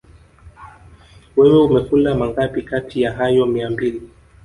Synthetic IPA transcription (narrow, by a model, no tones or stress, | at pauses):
wɛwɛumɛfulamaŋɡapikatʰijaɦajɔmiambili